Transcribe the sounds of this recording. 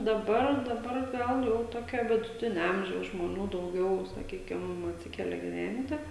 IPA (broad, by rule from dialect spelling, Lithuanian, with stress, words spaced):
dɐˈbɐr dɐˈbɐr ˈɡɐlˠ jɛʊ ˈtoːkʲoː ʋʲɪdʊˈtʲɪnʲɛ ˈɐmʲʒʲɛʊs ʒmoːˈnʲuː dɐʊˈɡʲɛʊ sɐˈkʲiːkʲɪm ɐtʲˈsʲɪkʲɛlʲɛ ɡʲɪˈʋʲɛnʲtʲɪ